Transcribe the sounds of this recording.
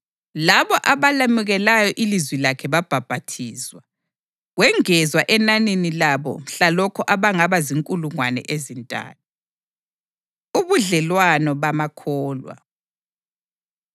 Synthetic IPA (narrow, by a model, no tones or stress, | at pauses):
laβɔʔaβalamuɣɛlajɔʔilizwilakʰɛβab̥ʱab̥ʱatʰiːswa | ɣwɛŋɛzwaʔɛnaninilaβɔ̰ɬalɔkʰɔʔaβaŋaβaziŋkʼuluŋwanɛ̰ʔezintʼa̰ːtʰu | uβuɮɛlwanɔβamakʰɔːlwa̰